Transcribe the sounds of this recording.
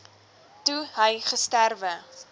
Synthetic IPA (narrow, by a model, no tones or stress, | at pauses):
tuɦəjχəstærvə